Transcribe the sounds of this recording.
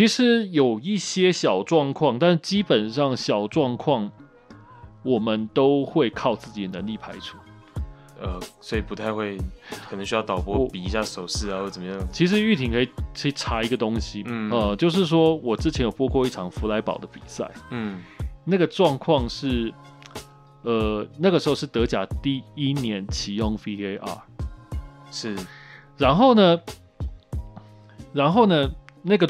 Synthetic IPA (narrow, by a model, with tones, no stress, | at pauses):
t͡ɕʰi˧˥ʂɻ̩˧˥jo˨˩ʊi˥˩ɕjɛ˥ɕjɑ˨˩ʊʈ͡ʂwɑ˥˧ŋkʰwɑ˥˧ŋt̪a˥˧nʂ̩˥˩t͡ɕi˥pə˨˩nʂɑ˥˩ŋɕjɑ˨˩ʊʈ͡ʂwɑ˥˧ŋkʰwɑ˥˩ŋ | wɔ˨˩mə˨nt̪o˥ʊxwe˥˧ɪkʰɑ˥˧ʊt͡sɹ̩˥˩t͡ɕi˨˩d̪ə˦nə˧˦˥ŋli˥˩pʰa˥ɪʈ͡ʂʰu˥˦ | ə˧˩swɔ˧˥i˨˩pu˧t̪ʰa˥˧ɪxwe˥˩ɪkʰə˨˩ə˦ŋɕ̬y˥jɑ˥˩ʊt̪ɑ˨˩ʊpwɔ˥pi˨˩i˧˥ɕja˥˩ʂo˨˩ʊʂɻ̩˥˩a˨xjo˥˩t͡sə˨˩mə˦jɑ˥˩ŋt͡ɕʰi˧˥ʂ̬ɻ̩˧˥y˥˩t̪ʰi˨˩ŋkʰɤ˧˥i˨˩kʰə˧˥i˨˩ʈ͡ʂʰa˧˥i˧˥ɡə˧t̪o˥ŋɕi˨˥˩ə˧t͡ɕjo˥˧ʊʂ̬ɻ̩˥˩ʂ̬wɔ˥wɔ˨˩ʈ͡ʂɻ̩˥t͡ɕʰɛ˧˦njo˨˩ʊpɔ˥kʰwɔ˥˧i˥˩ʈ͡ʂʰɑ˨˩ŋfu˧˥la˧˥ɪpɑ̰˨˩ʊd̪ə˦pi˨˩sa̰˥˩ɪ˥˩na˥˩ɡə˩ʈ͡ʂwɑ˥˧ŋkʰwɑ˥˧ŋʂɻ̩˥˩ | ə˧na˥˩ɡə˩ʂɻ̩˧˥xo˥˧ʊʂɻ̩˥˩t̪ɤ˧˥t͡ɕja̰˨˩t̪i˥˩i˦˥njɛ˧˦nt͡ɕʰi˨˩jɔ˥˧ŋfi˥e˧ʔa̰˥˩ | ʂɻ̩˥˩ɻa˧˥nxo˥˩ʊnə˩ | ɻa˧˥nxo˥˩ʊnə˨na˥˩ɡə˩